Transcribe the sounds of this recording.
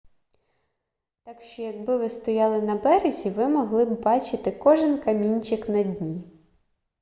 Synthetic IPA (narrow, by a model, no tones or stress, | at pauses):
t̪ɑkʃt͡ʃɔjɐɡbɪʋɪst̪ɔjɑlˠɪnɐbɛɾezʲiʋɪmɔɦlˠɪbbɑt͡ʃɪt̪ɪkɔʒɪnkɐmʲinʲt͡ʃɪknɐdʲnʲi